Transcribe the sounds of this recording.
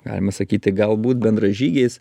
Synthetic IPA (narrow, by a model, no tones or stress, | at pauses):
ɡɑ̰ːlʲɪmɐsɐkʲiːt̪ʲɪɡɐlˠbuːt̪̚bʲɛnd̪ɾɐʒʲiːɡʲeːs